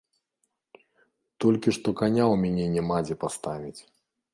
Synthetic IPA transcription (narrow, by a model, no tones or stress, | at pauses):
t̪ɔlʲkʲiʂt̪ɔkanʲawmʲanʲɛnʲɛmad͡zʲɛpast̪avʲit͡sʲ